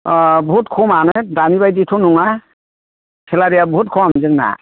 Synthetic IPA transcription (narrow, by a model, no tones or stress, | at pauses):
bɦutkʰumanɯjdanibajditʰunuŋa | kʰɛlaɾijabɔɦutkʰɔmzɯŋna̰